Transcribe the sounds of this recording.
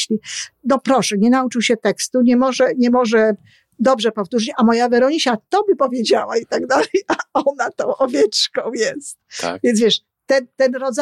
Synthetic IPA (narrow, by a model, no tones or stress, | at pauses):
lʲinɔpɾɔʂɛɲɛnaut͡ʂɨwɕɛt̪ɛkst̪uɲɛmɔʐɛɲɛmɔʐɛ | d̪ɔbʐɛpɔft̪uʐɨt͡ɕamɔjavɛɾɔɲiɕat̪ɔbɘpɔvʲjed͡ʑawait̪aɡd̪alɛjaɔnat̪ɔ̃w̃ʔɔvʲjɛt͡ʂkɔ̃w̃jɛst̪̚vʲjɛnzvʲɛʂ | t̪ɛnt̪ɛnɾɔd̪z